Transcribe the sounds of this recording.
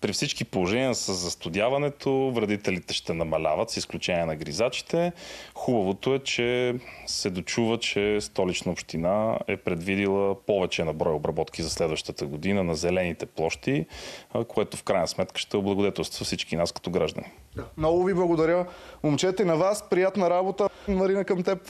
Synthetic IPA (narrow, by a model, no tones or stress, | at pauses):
pɾifsit͡ʃkipolˠoʒɛniəsəzːɐst̪ʊd̪ʲjavɐnɛt̪ʰovɾɐd̪it̪ɛlit̪ɛʃt̪ɛnɐmɐlʲavət̪sisklʲut͡ʃɛniɛnɐɡɾizat͡ʃi̥t̪ɛxubɐvot̪oɛt͡ʃɛsɛd̪ot͡ʃuvət͡ʃɛst̪ɔlit͡ʃnəopʃt̪inaɛ̰pɾɛd̪vid̪ilˠəpɔvɛt͡ʃɛnɐbɾɔjobɾɐbɔt̪k̟izɐslɛd̪vəʃt̪ət̪əɡod̪inənɐzɛlɛnit̪ɛplˠɔʃt̪ikoɛt̪ʊfkɾajnəsmɛt̪kə̥ʃt̪ɛʊblˠɐɡod̪ɛt̪ɛlˠst̪zfsit͡ʃkinaskɐ̥t̪oɡɾaʒd̪ɐ̰ni | d̪amnɔɡʊviblˠɐɡod̪ɐɾʲəomt͡ʃɛt̪ɛinɐvaspɾijat̪nɐɾabot̪ənmɐɾinəkɐmt̪ɛp